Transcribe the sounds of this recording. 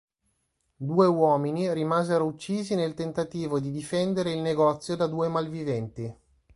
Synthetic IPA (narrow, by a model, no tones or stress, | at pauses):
d̪uːewɔːminiɾimaːzeɾout͡ʃːiːzinelt̪ent̪at̪iːvod̪id̪ifɛnd̪eɾeilneɡɔt̪sːjod̪ad̪uːemalvivɛnt̪i